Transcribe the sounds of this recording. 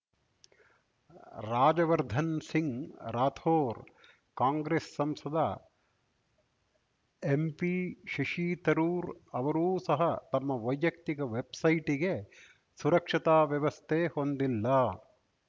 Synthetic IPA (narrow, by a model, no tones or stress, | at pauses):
ɾaːd͡ʒɐʋɐɾd̪ʱɐnsiŋɾaːt̪ʰoːɾ | kaːŋɡɾesːɐmsɐd̪ɐ | empiʃiʂiːt̪ɐɾuːɾɐʋɐɾuːsɐɦɐt̪ɐmːɐʋɐjʋjɐk̚t̪ikɐʋebsɐjʈiɡe | suɾɐkʂit̪aːʋjɐʋɐst̪ʰehond̪ilːɐː